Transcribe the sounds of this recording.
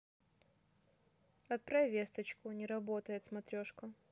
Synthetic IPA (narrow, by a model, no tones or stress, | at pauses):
ɐt̪̚pɾɐvʲest̪ət͡ɕkʊnʲɪɾɐbo̞t̪əjɪt̪smɐt̪ɾʲoʂkə